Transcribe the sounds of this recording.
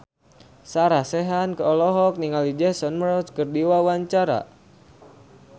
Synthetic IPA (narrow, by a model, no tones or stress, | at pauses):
saɾahseɦankəɔlɔɦɔk̚niŋalid͡ʒɛsɔnməɾɔskərdiwawaɲt͡ʃaɾa̰